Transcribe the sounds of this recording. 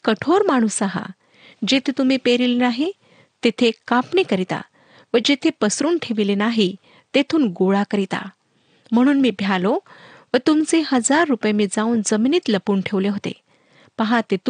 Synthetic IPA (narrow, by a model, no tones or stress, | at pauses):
kəʈʰoɾmaɽ̃usaɦa̰ | d͡ʑet̪ʰet̪um̤iːpeɾilenaɦi | t̪et̪ʰekãpɳikəɾit̪a̰ | ʋəd͡ʑet̪ʰepəsɾuːnʈʰeʋilenaɦi | t̪et̪ʰuːnɡoɭakəɾit̪a̰ | m̤əɽ̃uːnmiːbʱjalo | ʋət̪umt͡sehəd͡zaɾːupjamiːd͡zauːnd͡zəminiːt̪ləpuːnʈʰeʋleɦot̪ḛ | pəɦãt̪et̪